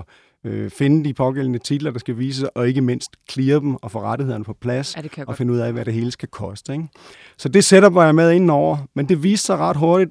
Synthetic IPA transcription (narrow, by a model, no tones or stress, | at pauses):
øfe̝nəd̥ipʰɒ̽ɡ̥el̰n̩ət͡sʰid̥lɐd̥ɑ̈sɡ̥æʋḭːsəsɒ̽e̝ɡ̥əme̝n̰sd̥kʰliːɐd̥em̩ɒ̽fɒ̽ʁaɾ̥ihe̝ð̰ˠɐnəpʰɒ̽pʰlæsɒ̽fe̝nəuð̰ˠæʋæɾ̥e̝ɦe̝ːləsɡ̥ækʰɒ̽sd̥əeŋ | sɒ̽d̥e̝seɾɐbɑ̈ɪmeð̞ˠe̝nn̩ɒʊ̰ɐmend̥e̝ʋḭːsd̥sɑ̈ɪʁɑ̈d̥ɦo̝ɐɾ̥id̥